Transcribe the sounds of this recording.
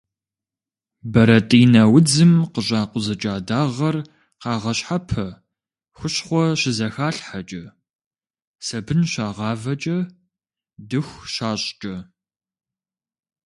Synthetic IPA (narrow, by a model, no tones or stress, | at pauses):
bɐɾɐtʼiːnɐwʊd͡zɨmqəɕʼaːqʷʊzɐt͡ʃʼaːdaːʁɐr | qɑːʁɐɕħapʰɐ | xʷʊɕχʷɔɕɪzɐxaːɬħat͡ʃʼɐ | sɐbɨnɕaːʁɑːvɐt͡ʃʼɐ | dɨxʷɕaːɕʼt͡ʃʼɐ